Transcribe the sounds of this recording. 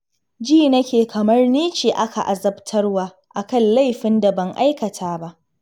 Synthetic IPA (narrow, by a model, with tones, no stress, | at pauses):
d͡ʒiː˦˨nɐ˦kʲeː˨kʰɐ˨mɐ˦rniː˦t͡ʃiː˨ʔa˦ka˨ʔa˨zɐ˦btʰɐ˦rwaː˦ | ʔa˨kɐ˦nla˦˨jɸɪ˦nda˨bɐ˦ŋʔa̰˦jkɐ˨tʰaː˦ba˦ʔ